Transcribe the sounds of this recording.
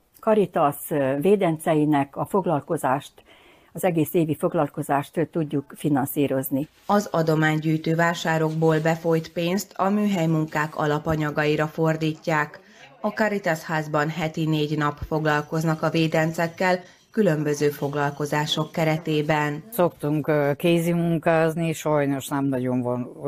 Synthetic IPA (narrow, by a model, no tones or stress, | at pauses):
kɒɾit̪ɒsveːd̪ɛnt̪sɛjinɛkɒfo̞ɡlɒlko̞zaːʃt̪ | ɒzɛɡeːseːvifo̞ɡlɒlko̞zaːʃt̪t̪uɟːukfinɒnsiːɾo̞zni | ɒzɒd̪o̞maːɲɟyːjt̪øːvaːʃaːɾo̞ɡboːlbɛfo̞jt̪peːnst̪ʰɒmyːɦɛjmuŋkaːkɒ̰lɒpɒɲɒɡɒiɾɒfo̞rd̪iːcːaːk | ɒkɒɾit̪ashaːzbɒnɦɛt̪ineːɟnɒpfo̞ɡlɒlko̞znɒkɒveːd̪ɛnt̪sɛkːɛl | kylø̞mbø̞zøːfo̞ɡlɒlko̞zaːʃo̞kːɛɾɛt̪eːbɛnso̞kt̪uŋkkeːzimuŋkaːzniʃɒjno̞ʃnɛmnɒɟo̞ɱvɒn